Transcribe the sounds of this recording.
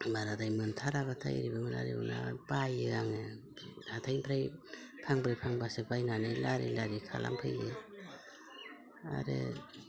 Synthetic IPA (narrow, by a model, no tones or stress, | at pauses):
baɾadajmɯntʰaɾaβatʰa̰jɾibɯmɯna̰ɾḭbɯ̰na̰bajeaŋe | atʰajnpʰɾaj | pʰaŋbɾapʰaŋbasebajnanɯjlaɾḭlaɾikʰa̰la̰mpʰɯje | a̰ɾḛ